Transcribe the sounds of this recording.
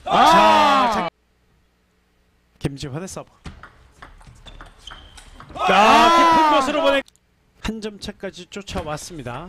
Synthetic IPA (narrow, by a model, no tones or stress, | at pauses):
t͡ɕat͡ɕa | kemd͡ʑipʰwanes͈ʌb | akʰɯpʰɯnɡʌsʰɯɾobone | hand͡ʑʌmt͡ɕʰak͈ad͡ʑit͡ɕ͈ot͡ɕʰawas͈ɯmɲida